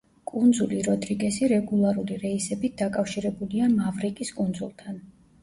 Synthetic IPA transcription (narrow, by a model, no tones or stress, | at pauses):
kʼund̪zuliɾɔd̪ɾiɡɛsiɾɛɡulˠaɾuliɾɛisɛbit̪̚d̪akʼafʃiɾɛbuliamavɾikʼiskʼund̪zṵlˠt̪ʰan